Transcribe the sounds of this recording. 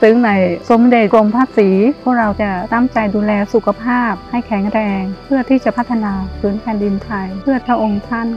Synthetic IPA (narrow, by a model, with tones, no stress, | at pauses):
sɯ˨˦ŋna˨˩˦jso˨˩˦mde˨˩t̪̚ko˧mpʰaː˥˩t̪̚siː˩˦pʰuː˥˩ək̚ɾa˧wt͡ɕa˧˩t̪a˥˩mt͡ɕa˧jduː˧lɛː˧su˨˩kʰa˧pʰaː˥˩p̚ha˥˩jkʰɛː˨˩˦ŋɾɛː˧ŋppʰɯ˥˩ɐt̪ʰiː˥˩t͡ɕa˨˩pʰa˥t̪ʰːa˧naː˧pʰɯː˩˦npʰɛː˧ndi˧nt̪ʰa˧jpʰɯ˥˩ɐpʰa˧˩ʔo˧ŋt̪ʰa˥˩˨n